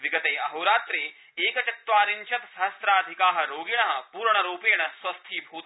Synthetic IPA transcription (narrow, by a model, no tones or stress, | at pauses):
ʋiɡɐt̪eːɐɦɐɾaːt̪ɾeː | eːkɐt͡ʃɐt̪ʋaːɾint͡ʃʰɐt̪sɐɦɐsɾaːd̪ʱikaːɦɐɾoːɡiɳɐɦɐ̆puːɾɳɐɾuːpeːɐɳɐswɐst̪ʰiːbʱuːt̪